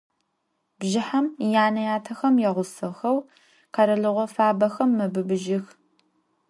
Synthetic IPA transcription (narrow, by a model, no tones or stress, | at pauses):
bʒɪħamjaːnɐjaːtʰɐxɐmjɛʁʷʊsɨxɐw | qɐɾɐɮɨʁʷɔfaːbɐxɐmːɨbɨbɨʒɪx